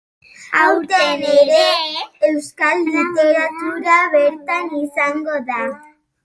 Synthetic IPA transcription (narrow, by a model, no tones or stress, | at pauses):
awt̪eneɾeewskallit̪eɾat̪uɾaβeɾt̪anisaŋɡoða